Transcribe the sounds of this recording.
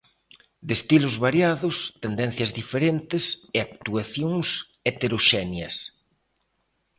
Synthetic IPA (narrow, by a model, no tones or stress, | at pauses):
d̪est̪ilozβaɾjaðʊst̪end̪ɛ̃n̟θjɐzðifeɾent̪ɪseak̚t̪uaθjõŋs | et̪eɾoʃɛnjɐs